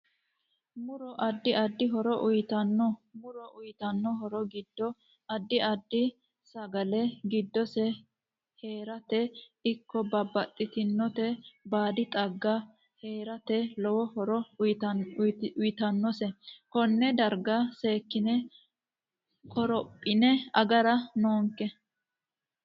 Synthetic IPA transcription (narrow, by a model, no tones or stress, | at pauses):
mʊɾɔʔɐd̪ːɪɐd̪ːɪɦɔɾɔʔʊjt̪ɐnːɔmʊɾɔʔʊjt̪ɐnːɔɦɔɾɔɡɪd̪ːɔ | ɐd̪ːɪʔɐd̪ːɪ | sɐɡɐlɛɡɪd̪ːɔsɛ | he̞ːɾɐt̪ɛ | ɪkːɔbɐbːɐt̪ʼːɪt̪ɪnːɔt̪ɛbaːd̪ɪt̪ʼɐɡːɐ | he̞ːɾɐt̪ɛlɔwɔhɔɾɔ | ʊjɪt̪ɐnːɔsɛkɔnːɛd̪ɐɾɡɐseːkːɪnɛ | kɔɾɔpʼːɪnɛɐɡɐɾɐnoːŋkːɛ